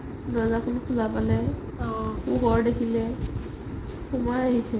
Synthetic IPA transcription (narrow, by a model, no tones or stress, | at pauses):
nazakunukʰuzapalɛ | xuɡɔɹdekʰilɛ | xumɔjaɦisʰɛ